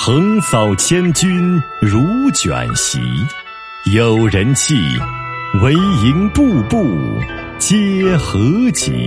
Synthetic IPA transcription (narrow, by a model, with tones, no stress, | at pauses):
xɤ˧˥ŋsɑ˨˩ʊt͡ɕʰjɛ˥nt͡ɕy˥n | ɻu˧˥t͡ɕjɥa̰˨˩nɕḭ˧˥ | jo˨˩ʊɻə˧˥nt͡ɕʰi˥˩ | we˧˥ɪi˧˥ŋpu˥˧pu˥˩ | t͡ɕjɛ˥xɤ˧˥t͡ɕḭ˨˩˦